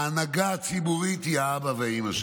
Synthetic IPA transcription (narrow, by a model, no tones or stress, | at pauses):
anaɡaat͡sibuʁit̪hiaabaveimaʃ